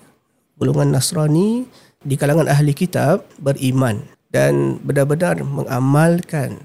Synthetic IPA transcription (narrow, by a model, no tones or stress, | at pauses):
buluŋanːasɾani | dikalaŋanʔaɦlikit̪ap̚bərʔiman | danbənarbənarmə̰ŋa̰malkan